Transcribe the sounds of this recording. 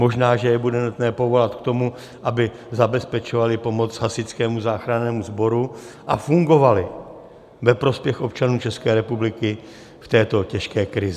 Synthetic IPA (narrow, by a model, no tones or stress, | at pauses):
mo̞ʒnaːʒɛjɛbudɛnut̪nɛːpo̞vo̞lat̪kt̪o̞mu | ʔabɪ | zabɛspɛt͡ʃovalɪpo̞mo̞t͡sɦasɪt͡skɛːmuzaːxɾanɛːmuzbo̞ɾuʔafuŋɡo̞valɪ | vɛpɾo̞spjɛxʔo̞pt͡ʃanuːt͡ʃɛskɛːɾɛpublɪkɪ | ft̪ɛːt̪o̞cɛʃkɛːkɾɪz